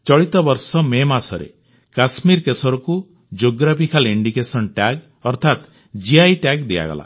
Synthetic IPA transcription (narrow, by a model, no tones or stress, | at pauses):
t͡ʃɔɭit̪ɔbɔɾsɔmemasɔɾḛ | kasmiɾkesɔɾɔku | d͡ʒoɡɾapikʰaliɳɖikesɔnʈaɡ | ɔɾt̪ʰat̪ | d͡ʒiajʈaɡd̪eja̰ɡɔ̰la̰